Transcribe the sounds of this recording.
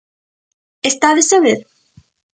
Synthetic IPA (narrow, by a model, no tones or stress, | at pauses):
est̪aðesaβeɾ